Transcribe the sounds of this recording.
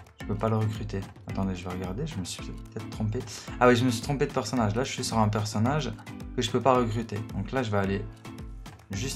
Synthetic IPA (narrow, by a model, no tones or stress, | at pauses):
ʒ̥əpøpaləʁəkχyt̪e | at̪ɑ̃d̪eʒəvaʁəɡaʁd̪eʒəməsɥi̥pət̪ɛt̪χpə̥t̪ɛt̪χət̪χɔ̃peawɛʒəməsɥi̥t̪χɔ̃ped̪əpɛʁsɔnaʒlaʒəʃɥisyʁɛ̃p̬ɛʁsɔnaʒkəʒəpøpaʁəkχyt̪ed̪ɔ̃klaʒəvaːle | ʒyst̪